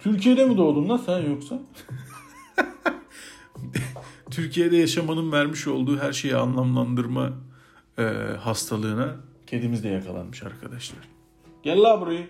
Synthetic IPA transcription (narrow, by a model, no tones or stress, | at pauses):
t̪ʰyɾcʰijed̪ɛmid̪o̞d̪umnˠasænjo̞ksa | t̪ʰyɾcʰijed̪ɛjaʃamanɯnvæɾmiʃo̞lˠd̪uːɦæɾʃe̞jianlˠamlˠand̪ɯɾma̰ | hast̪ʰalˠɯːnacʰe̞nd̪imizd̪ɛjakʰalˠa̰nmɯʃa̰ɾkʰad̪aʃlˠaɾ̥ | ɟ̥ɛlʲlʲaːbuɾajɯ